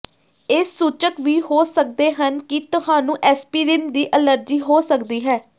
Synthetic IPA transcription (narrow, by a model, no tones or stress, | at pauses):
ɪsːuːt͡ʃəkʋiːhoːsək̚d̪eːɦənkit̪ʊhãːnũːʔɛːspiːɾɪnd̪iːʔələɾd͡ʒiːɦoːsəkd̪iːɦɛː